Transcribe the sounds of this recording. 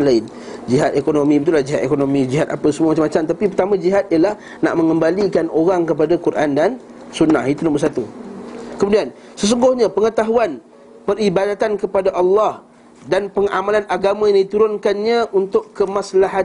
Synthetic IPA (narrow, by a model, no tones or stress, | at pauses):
laɪn | d͡ʒiɦat̪ekonomĩbit̪ulahd͡ʒiɦat̪̚ekonomĩd͡ʒiɦat̪apəsəmuamat͡ʃamat͡ʃamt̪apipərt̪amãd͡ʒiɦat̪̚ijalah | na̰ʔmə̃ŋəmbalikanoɾaŋkəp̬adakuɾʔandansunːa̰hit̪unombərsat̪ukəmudian | səs̬uŋɡʊhɲapəŋət̪aɦuan | pəribadat̪ankəpadaʔɑlːɑh | danpəŋʔa̰malanaɡamãjãŋdit̪uɾʊnkanɲãʔunt̪ʊkkːəmaslaɦa